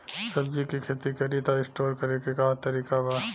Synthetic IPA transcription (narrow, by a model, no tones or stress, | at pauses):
sɐbd͡ʒikikʰeːt̪ikɐɾit̪aɪsʈoːɾkɐɾekekaːt̪ɐɾiːkabaː